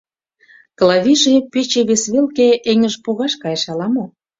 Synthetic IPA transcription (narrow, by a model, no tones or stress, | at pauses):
klɑβiʒepet͡ɕeβesβelkeʔeŋəʒpoɣɑʃkɑjeʃɑlɑmo